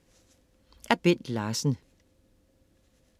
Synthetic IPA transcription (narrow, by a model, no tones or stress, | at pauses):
ʔæɐb̥en̰d̥lɑːsn̩